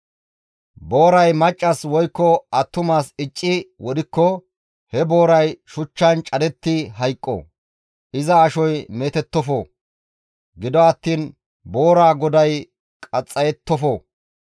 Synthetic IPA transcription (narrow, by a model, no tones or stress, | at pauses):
bo̞ːɾɐjmɐt͡ʃʼːɐswɔjkːɔɐt̪ːʊmaːsɪt͡ʃʼːɪwɔd̪ɪkːɔ | hɛbo̞ːɾɐjʃʊt͡ʃːɐnt͡ʃʼɐd̪ɛt̪ːɪɦɐjkʼːɔ̰ | ʔɪzɐːʃɔjmeːt̪ɛt̪ːɔfɔ | ɡɪd̪ɔɐt̪ːiːn | bo̞ːɾaːɡɔd̪ɐj | kʼɐt͡sʼːɐjɛt̪ːɔfɔ